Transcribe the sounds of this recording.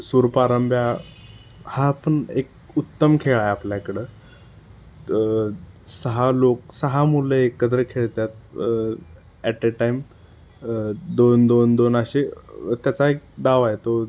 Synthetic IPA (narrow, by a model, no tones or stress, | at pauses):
suɾpaɾəmbʱja | haːpəɳḛk̚ | ut̪ːəmkʰeɭajapljakəɽeː | səɦaloksəɦamuleekːəd̪ɾəɾkʰeɭt̪jat̪̚ | æʈeʈaim | d̪ond̪ond̪onaɕet̪jat͡saek̚d̪aʋajet̪o